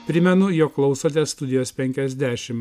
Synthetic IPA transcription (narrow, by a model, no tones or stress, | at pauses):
pʲɾʲɪmʲɛnʊjoːkklˠɒʊsoːt̪ʲɛst̪ʊd̪ʲɪjoːspʲɛŋʲkʲɛzʲd̪ʲæːʃʲɪm